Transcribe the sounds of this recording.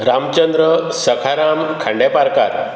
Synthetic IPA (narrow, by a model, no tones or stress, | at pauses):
ɾamt͡ɕənd̪ɾəsəkʰaɾamkʰãɳɖjepaɾkaɾ